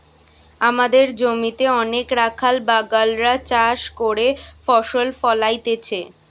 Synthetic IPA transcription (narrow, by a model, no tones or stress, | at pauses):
amad̪eɾd͡ʑomit̪eɔnekɾakʰalbaɡalɾat͡ɕaʃkoɾefɔʃolfɔlajt̪et͡ɕʰe